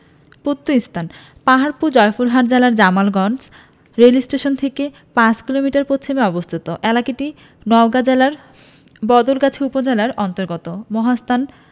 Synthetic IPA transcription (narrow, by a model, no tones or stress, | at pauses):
pot̪ːoist̪ʰan | paɦaɾpud͡ʑɔjfuɾɦaɾd͡ʑelaɾd͡ʑamalɡɔns | ɾelisʈeʃont̪ʰeke | pãt͡ɕkilomiʈaɾpotːɕʰomeɔbost̪ʰit̪oʔɛlakeʈi | nɔwɡad͡ʑelaɾ | bɔd̪olkat͡ɕʰeupod͡ʑelaɾɔnt̪oɾɡɔt̪omɔɦast̪ʰan